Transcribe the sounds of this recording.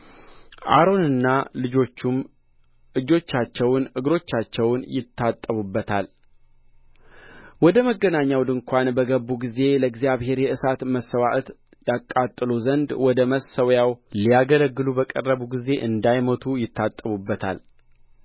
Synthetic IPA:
ʔa̰ɾo̞nɨnːalɨd͡ʒo̞t͡ʃːum | ɨd͡ʒo̞t͡ʃːat͡ʃːɛwnʔɨɡɾo̞t͡ʃːat͡ʃːɛwnjɪt̪ʰːat̪ʼːəβubːət̪ʰal | wɔd̪əməɡːənaɲːawd̪ɨŋkʷanbəɡəbːuɡize̞ləɡzijaβɦe̞ɾjɛʔɨsat̪məsːəwaʔt̪ | jakʼːat̪ʼːɨluzənd̪wɔd̪əməsəwjawlijaɡələɡːɨlubəkʼərːəβuɡize̞ʔɨnd̪ajmət̪ʰujɪt̪ʰːat̪ʼːəβubːət̪ʰa̰l

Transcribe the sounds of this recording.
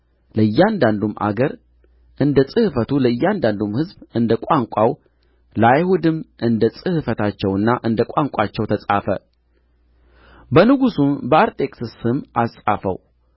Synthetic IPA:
ləɨjːand̪and̪umʔa̰ɡəɾ | ʔɨnd̪əsʼɨhɨfət̪ʰuləɨjːand̪and̪umhɨzbɨnd̪əkʷʼaŋkʷʼaw | lajhud̪ɨmʔɨnd̪əsʼɨhɨfət̪ʰat͡ʃːɛwɨnːaʔɨnd̪əkʷʼaŋkʷʼat͡ʃːɛwt̪ʰəsʼafə̰ | bənɨɡusumbəaɾt̪ʼe̞kʼsɨsɨmasʼa̰fə̰w

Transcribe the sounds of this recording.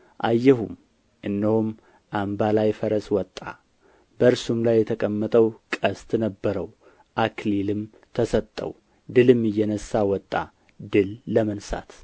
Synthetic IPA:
ʔajːɛɦum | ʔɨnːəhum | ʔambalajfəɾəswɔt̪ʼːa | bəɨɾsumlajːɛt̪ʰəkʼəmːət̪ʼəwkʼəst̪ʼnəbːəɾəw | ʔakʰlilɨm | t̪ʰəsət̪ʼːə̰w | d̪ɨlɨmɨjːɛnəsːawɔt̪ʼːa̰ | d̪ɨlːəmənsa̰t̪

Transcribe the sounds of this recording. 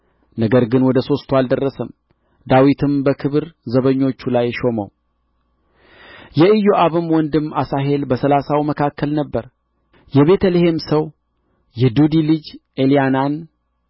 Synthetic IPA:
nəɡəɾɡɨnwɔd̪əso̞st̪ʰwald̪ərːəsəm | d̪awit̪ʰɨmbəkʰɨβɨɾzəβəɲːo̞t͡ʃːulajʃo̞mə̰w | jɛɨjoʔaβɨmwɔnd̪ɨmːasaɦe̞lbəsəlasawməkʰakːəlnəbːəɾ | jɛβe̞t̪ʰəlehe̞msəw | jɛd̪ud̪ilɨd͡ʒʔelijanan

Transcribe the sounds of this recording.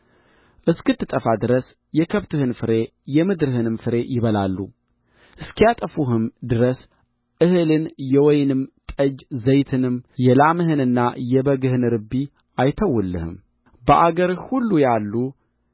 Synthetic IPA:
ʔɨskɨt̪ːɨt̪ʼəfad̪ɨɾəs | jɛkʰəβt̪ʰɨhɨnfɨɾe̞ | jɛmɨd̪ɨɾɨhɨnɨmfɨɾe̞jɪβəlalːṵ | ʔɨskʰijat̪ʼəfuɦɨmd̪ɨɾəs | ʔɨhɨlɨnjɛwɔjnɨmt̪ʼəd͡ʒzəjt̪ʰɨnɨmjɛlamɨɦɨnɨnːajɛbəɡɨhɨnɾɨbi | ajt̪ʰəwːɨlːɨ̰hɨ̰m | bəʔaɡəɾhulːujalːu

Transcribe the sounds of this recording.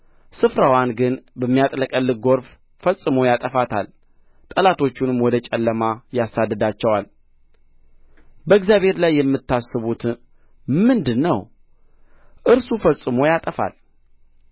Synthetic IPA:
sɨfɾawanɡɨnbəmːijat̪ʼləkʼəlːɨɡo̞ɾf | fəsʼɨmojat̪ʼəfat̪ʰal | t̪ʼəlat̪ʰo̞t͡ʃːunmwɔd̪ət͡ʃʼɛlːəmajasad̪ːəd̪at͡ʃːɛwal | bəɨɡzjaβhe̞ɾlajːɛmːɨt̪ːasːɨβut̪ | mɨnd̪ɨnːəw | ʔɨɾsufəsʼɨmo̞jat̪ʼəfa̰l

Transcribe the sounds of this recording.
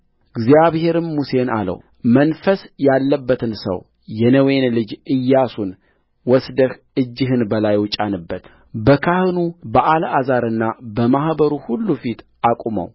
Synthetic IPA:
ɨɡzjaβhe̞ɾɨmmːuse̞na̰lə̰w | mənfəsjalːəbːət̪ʰɨnsə̰w | jɛnəwe̞nlɨd͡ʒɨjːasun | wɔsd̪əh | ɨd͡ʒːɪɦɨnbəlajwʊt͡ʃʼanɨbːət̪ | bəkʰahɨnubəʔalazaɾɨnːabəmahbəɾuhulːufit̪ | ʔakʷʼumə̰w

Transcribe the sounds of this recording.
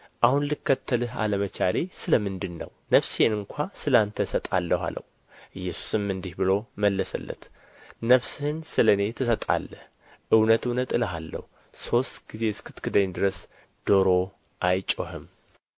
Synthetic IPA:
ʔahunlɨkːət̪ʰːəlɨɦa̰ləmət͡ʃʰale̞sɨləmɨnd̪ɨnːə̰wnəβsenɨŋkʷʰasɨlant̪ʰəsət̪ʼa̰lːəhʷa̰lə̰hu | ʔɨjːɛsu̥sɨmːɨnd̪ihbɨlo̞məlːəsə̰lːə̰t̪ | nəβshɪnsɨləne̞t̪ʰɨsət̪ʼa̰lːəh | ʔɨwnət̪ɨwnət̪ɨləɦalːə̰hu | so̞st̪ɡize̞skʰɨt̪kʰɨd̪əɲd̪ɨɾəs | d̪̥o̞ɾo̞ | ʔajt͡ʃʼoɦɨm

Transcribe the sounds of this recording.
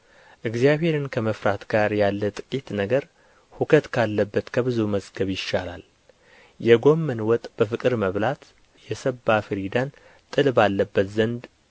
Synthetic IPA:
ʔɨɡzijaβhe̞ɾɨnkʰəməfɾat̪ɡaɾjalːət̪ʼɨ̥kʼit̪nəɡəɾ | hukʰət̪kʰalːəbːət̪kʰəβɨzuməzɡəβjɪʃːala̰l | jɛɡo̞mːənwɔt̪ʼb̥əfɨkʼɨɾməβlat̪ | jɛsəbːafɨɾid̪an | t̪ʼɨlbalːəbːət̪zənd̪

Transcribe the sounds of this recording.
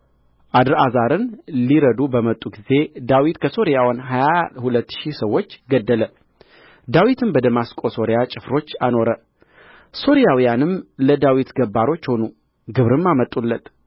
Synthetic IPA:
ʔad̪ɾazaɾɨnliɾəd̪ubəmət̪ʼːuɡize̞d̪awit̪kʰəso̞ɾijawanɦajahulət̪ːʃisəwːo̞t͡ʃːɡəd̪ːələ | d̪awit̪ʰɨnbəd̪əmaskʼo̞so̞ɾijat͡ʃʼɪfɾo̞t͡ʃːano̞ɾə | so̞ɾijawijanɨmləd̪awit̪ɡəbːaɾo̞t͡ʃːho̞nu | ɡɨβɾɨmːamət̪ʼːulːət̪

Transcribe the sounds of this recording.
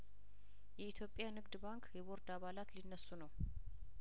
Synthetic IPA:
jɛit̪ʰjo̞pʼːjanɨɡd̪baŋkʰjɛβoɾd̪aβalat̪linːəsːunəw

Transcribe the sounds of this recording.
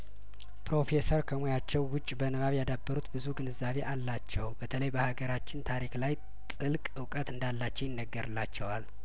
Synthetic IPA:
pɾo̞fe̞səɾkʰəmojat͡ʃːɛwːʊt͡ʃʼbənəβaβjad̪abːəɾut̪bɨzuɡɨnɨzaβe̞ʔalːat͡ʃːɛwbət̪ʰələjbəhaɡəɾat͡ʃːɪnt̪ʰaɾiklaj | t̪ʼɨlkʼɨwkʼət̪ɨnd̪alːat͡ʃːɛwjɪnːəɡːəɾɨlːat͡ʃːɛwal

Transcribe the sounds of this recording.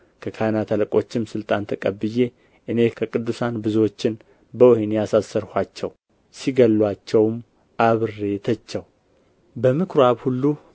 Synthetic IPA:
kʰəkʰajnat̪ʰaləkʼo̞t͡ʃːɪmsɨlt̪ʼant̪ʰəkʼəbːɨje̞ | ʔɨne̞kʰəkʼɨd̪ːusanbɨzuwo̞t͡ʃːɪn | bəohenjasasːəɾhʷat͡ʃːɛw | siɡəlːwat͡ʃːɛwm | ʔaβɨrːe̞t̪ʰət͡ʃːɛw | bəmɨkʰɾoaβhulːu

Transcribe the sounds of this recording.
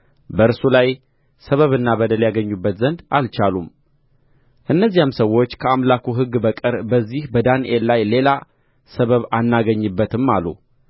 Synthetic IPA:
bəɨɾsulaj | səβəβɨnːabəd̪əljaɡəɲːubːət̪zənd̪alt͡ʃalum | ʔɨnːəzːijamsəwːo̞t͡ʃːkʰəamlakuɦɨɡːbəkʼɨɾbəzːihbəd̪anʔelːajle̞la | səβəβanːaɡəɲːɨbːət̪ɨmːalṵ

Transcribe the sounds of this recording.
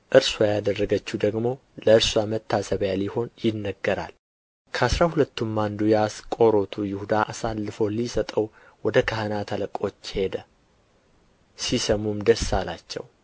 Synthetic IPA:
ʔɨɾswajad̪ərːəɡət͡ʃːud̪əɡmo̞ | ləɨɾswamət̪ʰːasəβjaliho̞njɪnːəɡːəɾa̰l | kʰəasɾahulət̪ːumːand̪ujaskʼo̞ɾo̞t̪ʰujɪhud̪aʔasalːɨfo̞lisət̪ʼəw | wɔd̪əkʰahənat̪ʰələkʼo̞t͡ʃːhe̞d̪ə | sisəmumd̪əsalat͡ʃːɛ̰w

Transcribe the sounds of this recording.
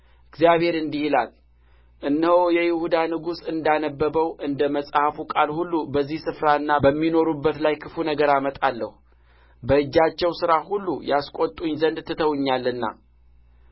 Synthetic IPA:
ʔɨɡzjaβhe̞ɾɨnd̪ihilal | ʔɨnːɨhowjɛjɪhud̪anɨɡusɨnd̪anəbːəbəwʔɨnd̪əməsʼhafukʼalhulːubəzːihsɨfɾaɨnːabəmːino̞ɾubːət̪lajkʰɨfunəɡəɾamət̪ʼalːə̰hu | bəɨd͡ʒːat͡ʃːɛwsɨɾahulːujaskʼot̪ʼuɲzənd̪t̪ʰːɨt̪ʰəwɲːalɨnːa̰

